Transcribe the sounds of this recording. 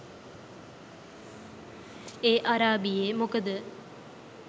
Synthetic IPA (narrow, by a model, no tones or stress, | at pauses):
eːʔaɾaːbijeːmokəd̪ə